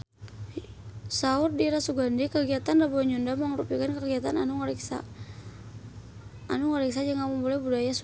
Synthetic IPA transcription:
saurdiɾasuɡandikəɡiat̪andabɔɲɔndaməŋɾupikankəɡiat̪ananuŋɔɾɛksa̰ | anuŋɔɾɛks̬ad͡ʒaŋamaŋbolɛhbudajas

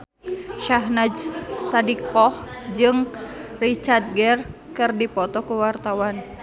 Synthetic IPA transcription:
ʃaɦnad͡ʒsadikʰɔhd͡ʒɨŋrit͡ʃard̪̚ɡɛr | kɨrdipɔt̪ɔkuwart̪awan

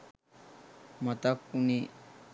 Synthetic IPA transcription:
mət̪akːuni

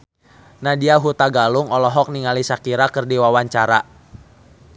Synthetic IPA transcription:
nadiaɦut̪aɡalʊŋɔlɔɦɔk̚niŋalisakiɾakərdiwawaɲt͡ʃaɾa

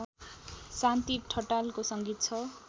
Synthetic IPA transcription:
sant̪iʈʰʌʈalkosʌŋɡit̪̚t͡sʰʌ

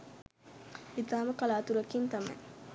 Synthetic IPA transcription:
it̪aːmɐkɐlaːt̪uɾɐkint̪ɐmḛ

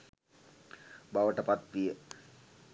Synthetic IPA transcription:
baʋəʈəpat̪ʋijə

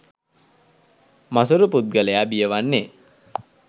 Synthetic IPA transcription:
mas̬uɾuput̪̚ɡəlejaːbijəʋanːe

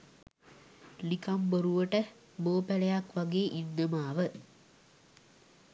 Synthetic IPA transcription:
likamboɾuʋəʈə | boːpælɐjakʋaɡeːʔinːəmaːʋə

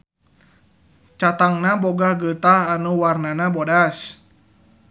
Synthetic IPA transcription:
t͡ʃat̪aŋnabɔɡahɡət̪aɦanuwarnanabɔdas

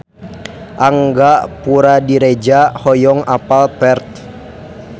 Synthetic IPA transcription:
ʔaŋɡaʔpuɾadiɾɛd͡ʒahɔjɔŋapalpɛrt̪̚

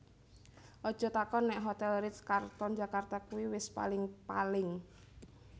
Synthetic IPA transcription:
ʔɔd̥ʒ̥ɔ̤t̪akɔnːɛʔɦot̪ɛlɾɪt̪skart̪ɔnd͡ʒa̤kart̪akuwiwɪspa̰lɪŋpalɪŋ

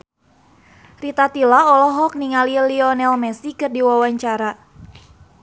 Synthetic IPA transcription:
rit̪at̪ilaɔlɔɦɔk̚niŋaliliɔnɛlmɛsikɨrdiwawaɲt͡ʃaɾa

